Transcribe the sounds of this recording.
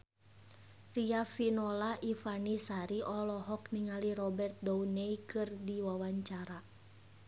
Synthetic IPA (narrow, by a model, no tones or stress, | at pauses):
riafinɔlaʔifanisaɾiʔɔlɔɦɔkniŋaliɾɔbɛrt̪̚dɔunɛikɨrdiwawaɲt͡ʃaɾa